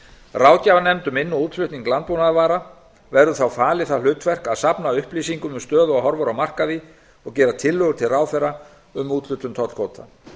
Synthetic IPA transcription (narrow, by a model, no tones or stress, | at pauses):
raːwcavanɛmt̪ʏmɪnːuuːt̪l̥ʏt̪niŋklant̪pownaðavaːɾa | vɛɾðʏθawfaːlɪθalʏːt̪vɛr̥kaðsapnaʏhpliːsiŋkʏmʏmst̪œːðʏaɦɔɾvɔɾamar̥kaði | ɔɣcɛːɾat̪ʰɪlːœɣʏt̪ʰɪlraːwθɛra | ʏmuːt̪lʏt̪ʏmt̪ʰɔt̪l̥kʰoːwt̪ʰa